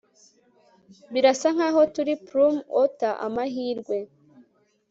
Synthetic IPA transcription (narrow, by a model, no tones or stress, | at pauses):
biɾasaŋ̥haːɦo̞tuɾipɾumotaʔa̰maɦiːɾɡwe̞